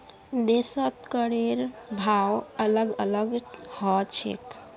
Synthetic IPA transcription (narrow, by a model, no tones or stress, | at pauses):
d̪esət̪kəɽeɾbʱawələɡələɡhɔt͡ʃʰḛk